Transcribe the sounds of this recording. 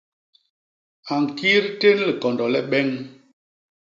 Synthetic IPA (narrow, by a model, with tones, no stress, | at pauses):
a˨ŋ˨ki˦ɾte˦n˦li˨kɔ˨ndɔ˨lɛ˦ɓɛ˦ŋ